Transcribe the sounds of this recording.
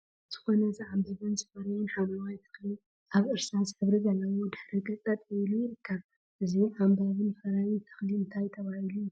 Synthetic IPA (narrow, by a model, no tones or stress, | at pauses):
z̥ɨ̥xo̞nɐzaʕamzɨβɨnzɨfɐɾɐwunħamawajt̪ʰɐ̥xli | ʔaβʔɨɾsazħɨβɾiɡɐlːɐwod̪ɨħɾikʼɨt͡sʼɐt̪ʼɛlujɪɾɨkʰːaβ | ʔɨziʕambaβɨnfɐɾawit̪ʰɐ̥xliɨnt̪ʰajt̪ʰɐβahiluju